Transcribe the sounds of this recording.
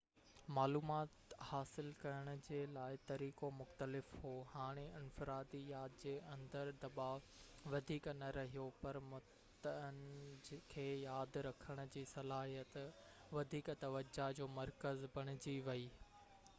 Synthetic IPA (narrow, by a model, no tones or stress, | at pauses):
maːluːmaːt̪haːsɪlkɐɾəɽ̃ʊd͡ʑeːlaːɪt̪ɐɾiːkomʊxt̪əlɪfhoːhaːɽ̃eɪnfɪɾaːd̪ijaːd̪d͡ʑeːɐ̃nd̪əɾd̪ɐbaːʋʋɐd̪ʱiːknɐɾɐɦijopɐɾmʊ | t̪ənkʰeːjaːd̪ɾɐkʰəɽ̃ʊ̆d͡ʑiːsɐlaːɦijət̪ | ʋɐd̪ʱiːkt̪ɐʋəd͡ʑad͡ʑoːmɐɾkəzbɐɽ̃ɪ̆d͡ʑiʋɐiː